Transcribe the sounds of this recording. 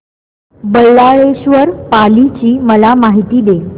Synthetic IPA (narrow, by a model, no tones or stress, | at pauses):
bəlːaɭeɕʋəɾpalit͡ɕiːməlamaɦit̪iːd̪e